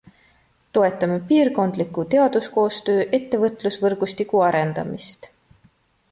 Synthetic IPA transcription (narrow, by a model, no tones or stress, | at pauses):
t̪o̞e̞t̪ːˑɑmepiːrko̞nd̪̥likːˑut̪e̞ɑd̪̥usko̞ːst̪øːʔe̞t̪ːe̞vɤt̪ˑlusvɤrɡ̥ust̪ikˑuɑɾe̞nd̪̥ɑ̰mḭst̪